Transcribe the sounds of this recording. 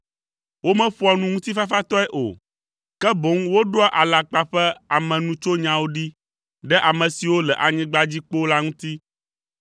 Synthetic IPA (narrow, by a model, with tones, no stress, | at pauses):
wo˦mɛ̃˦ɸu˦a˨nũ˦ŋũ˦t̪i˦fa˦fa˦t̪ɔ˦ɛ˦ʔo̰˨ | kɛ˦bo˨˦ŋwo˦ɖo˦a˦ʔa˨la˨k͡pa˦ɸɛ˦a˨mɛ̃˨nũ˦t͡ʃo˦ɲã˨wo˦ɖi˦ | ɖɛ˦ʔa˨mɛ̃˨si˨wo˦lɛ˨ʔa˨ɲɛ̃˦ɡ͡ba˦d͡ʑi˦k͡po˦la˦ŋũ˦t̪i˦